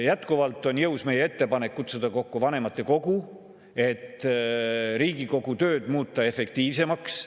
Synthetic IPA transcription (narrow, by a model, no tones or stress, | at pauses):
jæt̪ˑkuvɑlt̪ːˑo̞njɤuwsme̞jee̞t̪ːe̞pɑne̞kːut̪sud̪̥ɑko̞kːuvɑne̞mɑt̪ːˑe̞ko̞ɡ̥u | e̞t̪ːˑ | ɾiːɡiko̞ɡ̥ut̪ø̞ːd̪̥muːt̪ːˑɑe̞fe̞kt̪iːvse̞mɑks